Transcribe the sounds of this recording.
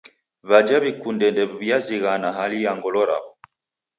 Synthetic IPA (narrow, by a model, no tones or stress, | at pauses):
βad͡ʒaβikundɛndɛββjaziɣanaɦalijaŋɡɔlɔɾa̰βɔ